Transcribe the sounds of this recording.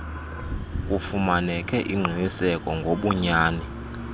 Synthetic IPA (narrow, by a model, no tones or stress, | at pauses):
kʼufumanɛkʰʼɛʔiŋ͡ǀʱinisɛkʼɔŋɡʱoɓuɲaːni